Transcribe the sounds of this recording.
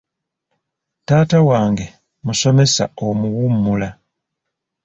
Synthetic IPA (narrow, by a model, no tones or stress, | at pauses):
taːtawaːŋɡe̞ | muso̞me̞sa̰omuwumːula